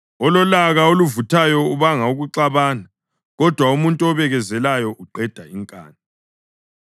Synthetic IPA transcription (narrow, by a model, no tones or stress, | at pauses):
ɔlɔlaɣaoluvutʰajɔuβaŋauɣuǀaβaːna | ɣɔd̥ʱwaumuntʼuɔβɛɣɛzɛlajɔʔuǃɛd̥ʱaiŋkʼa̰ːna